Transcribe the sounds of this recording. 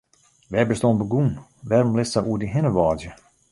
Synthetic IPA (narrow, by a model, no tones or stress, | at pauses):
ʋɛbəstonbəɡunʋɛɾəmlɪsaʔuədiɦɪnəʋɔːdjə